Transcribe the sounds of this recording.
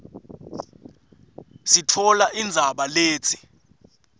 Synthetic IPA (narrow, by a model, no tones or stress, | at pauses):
sitʰɔlaʔind͡zʱaɓaleːt͡sʰi̥